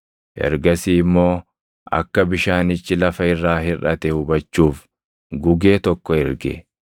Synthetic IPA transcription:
ʔɛ̰ɾɡɐsiːɪmːo̞ː | ʔɐ̰kːɐbɪʃaːnɪt͡ʃːɪlɐfɐɪrːaːɦɪrɐt̪ɛhʊbɐt͡ʃːuːf | ɡʊɡe̞ːt̪ɔkːɔɛɾɡɛ̰

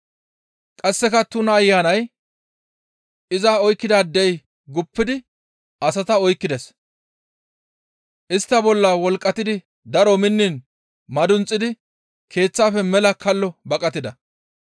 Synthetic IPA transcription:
kʼɐsːɛkɐt̪ʊnɐːjːaːnɐj | ɪzaːɔjkːɪd̪aːd̪ɛj | ɡʊpːɪd̪ɪ | ɐsɐt̪ɐɔjkːɪd̪ɛs | ʔɪst̪ːɐbɔlːɐwɔlkʼːɐt̪ɪd̪ɪ | d̪ɐɾɔmɪnːɪn | mɐd̪ʊnt͡sʼːɪd̪ɪ | kʰe̞ːt͡sːaːfɛmɛlɐkʰɐlːɔbɐkʼɐt̪ːɪd̪ɐ

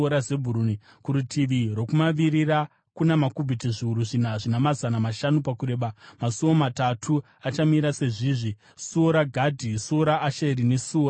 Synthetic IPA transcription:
oɾaze̞bʱuɾuni | kuɾutʰiʋiro̞kumaʋirira | kunamakubʱitiʐiuɾuʐin̤aʐinamazanamaʃanupakuɾe̞ːɓamasuʋomatatʰu | at͡ʃamiɾase̞ʐiːʐi | suoɾaɡʱadʱisuoɾaːʃeɾinesuoːra

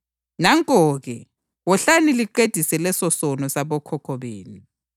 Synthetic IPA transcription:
naŋkʼɔːɣɛ | wɔɬaniliǃed̥ʱisɛlɛsɔsɔnɔsaβɔkʰɔkʰɔβeːni

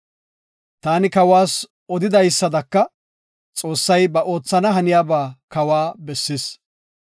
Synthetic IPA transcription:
t̪aːnɪkɐwaːs | ɔd̪ɪd̪ɐjsːɐd̪ɐkːɐ | t͡sʼo̞ːsːɐjbɐʔo̞ːt͡sːɐnɐɦɐnɪjaːbaːkɐwaːbɛsːɪs

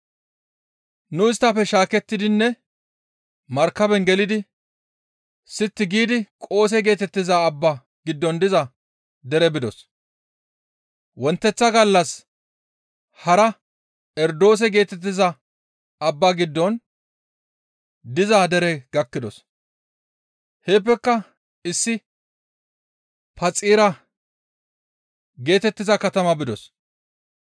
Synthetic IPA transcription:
nʊɪst̪ːɐpːɛʃaːkɛt̪ːɪd̪ɪnːɛ | mɐɾkːɐbɛnɡɛlɪd̪ɪ | sɪt̪ːɪɡiːd̪ɪkʼo̞ːs̬ɛɡe̞ːt̪ɛt̪ːɪzɐːbːa | ɡɪd̪ːɔnd̪ɪzɐ | d̪ɛɾɛbɪd̪ɔs | wɔnt̪ːɛt͡sːɐɡɐlːɐs | hɐɾɐ | ɛɾd̪o̞ːs̬ɛɡe̞ːt̪ɛt̪̬ːɪzɐ | ɐbːaɡɪd̪ːɔn | d̪ɪzad̪ɛɾɛɡ̥ɐkːɪd̪ɔs | he̞ːp̬ːɛkːɐ | ɪsːɪ | pɐt͡sʼiːɾɐ | ɡe̞ːt̪ɛt̪ːɪzɐkɐt̪ɐmɐbɪd̪ɔs

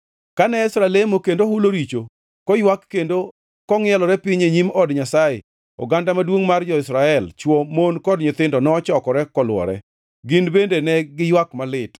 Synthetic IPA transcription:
kanɛsɾalemokendohuloɾit͡ʃo | kɔjwakːendo | kɔŋɪɛlɔɾɛpɪɲeɲimɔdɲasajḛ | ɔ̰ɡandamadwoŋmard͡ʒɔɪsɾaɛlt͡ʃwɔmonkɔdɲɪt̪ɪndɔnɔːt͡ʃɔkɔɾɛkɔlwɔ̰ɾɛ̰ | ɡɪnbendenɛɡɪjwakmalɪt

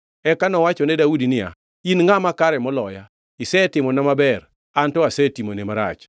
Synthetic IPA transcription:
ɛkanɔwat͡ʃɔnɛdaudinɪa̰ | inŋamakaɾɛmɔlɔja | ɪsɛtɪmɔnamabɛr | antɔasɛtimonemaɾa̰t͡ʃ

